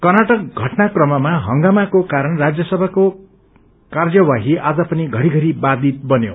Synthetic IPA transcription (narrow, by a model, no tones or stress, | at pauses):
kʌrnaʈʌk̚ɡʱʌʈnakrʌmʌmaɦʌŋɡamakokaɾʌnrad͡zjʌsʌbʱako | kard͡zʌwaɦiʔad͡zʌpʌniɡʱʌɾiɡʱʌɾibad̪it̪̚bʌnjo̰